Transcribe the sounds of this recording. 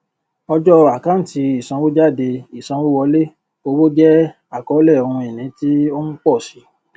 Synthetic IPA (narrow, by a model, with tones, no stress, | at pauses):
ɔ˧d͡ʒɔ˦a˨kã˦˨ti˧i˨sã˧wo˦d͡ʒa˦˨de˧i˨sã˧˦wo˦wɔ˧le˦ | o˧wo˦d͡ʒɛ˦ | a˦˨kɔ˨˦lɛ˦˨o˨˧hũ˧e˨nĩ˨˦ti˦o˦n̩˦k͡pɔ˦˨si˨˦